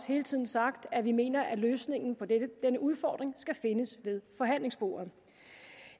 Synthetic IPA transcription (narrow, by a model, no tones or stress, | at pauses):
she̝ːlət͡sʰið̰ˠn̩sɑ̈ɡ̥d̥æʋime̝̰ːnɐʔæløːsne̝ŋn̩pʰɒ̽d̥enəʔuð̞ˠfɒ̰ːd̥ʁeŋsɡ̥æfe̝nəsʋe̝ðˠfɒ̽ɦæn̰le̝ŋsb̥o̝̰ːɐ